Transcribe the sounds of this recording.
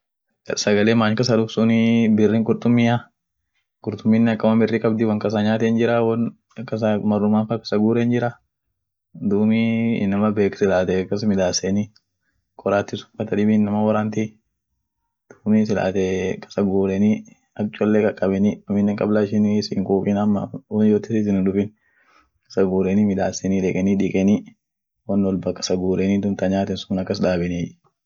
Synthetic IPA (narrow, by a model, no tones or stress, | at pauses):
ɐsɐɡɐleːmaːɲkɐs̬ɐd̪ʊfsʊnɪbɪrːiːŋkʼʊɾt̪ʼʊmːɪja | kʼʊɾt̪ʊmːinːɛɐkːɐmɐbɪrːikʼɐbd̪ɪwɐŋkʼɐs̬ɐɲaːt̪ɛnd͡ʒɪɾawɐn | kːɐs̬ɐmɐrːʊmaːnfɐkɐ̥sɐɡuːɾɛnd͡ʒɪɾɐ | d̪uːmḭnːɐmɐbeːksɪlaːt̪ɛkːɐsmɪd̪aːsɛnɪ | kʼɔɾaːt̪ːɪsʊ̥fɐt̪ɐd̪ɪbɪnːɐmɐwɐɾaːnt̪i | d̪̥uːmiːs̬ɪla̰ːt̪ɛkʼɐ̥sɐɡuːɾɛniː | ɐt͡ʃʼːɔlːeːkʼɐkʼɐbɛniɐmɪnːɛŋkʼɐblaːʃɪnsɪŋkʼuːkʼɪnɐmːɐ̰wɐnjot̪ːɪsɪt̪ɪnɪᶑʊfɪn | kʼɐ̥sɐɡuːɾɛniːmɪd̪aːsːɛniːᶑɛkʼɛniːᶑɪkʼɛniː | wɐnːɔlbɐkʼɐ̥sɐɡuːɾɛniːd̪ʊmt̪ɐɲaːt̪ɛnsʊnɐkːɐsᶑaːbɪniː